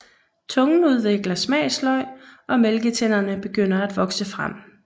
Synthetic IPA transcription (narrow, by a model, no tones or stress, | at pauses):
t͡sʰɔ̽ŋn̩uð̞ˠʋe̝ɡ̥lɐsmɛ̰ːslɒ̽ɪ̰ʔɒ̽melɡ̥ət͡sʰen̰ɐnəb̥e̝ɡ̥øn̰ɐæd̥ʋɒ̽ɡ̥səfʁam̰